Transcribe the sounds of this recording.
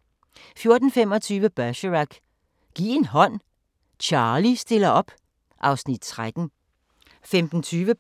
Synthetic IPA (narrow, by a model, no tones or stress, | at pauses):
fjo̝ɐd̥n̩femɒ̽t͡sʰyːʋəb̥ɶɕəʁaɡ̥ | ɡ̥ḭːe̝nɦɒ̽n̰ | t͡ɕʰɑ̈ːlisd̥e̝lɐɒ̽b̥ | ʔɑ̈ʊsnid̥̚t͡sʰʁad̥n̩ | femd̥n̩t͡sʰyːʋə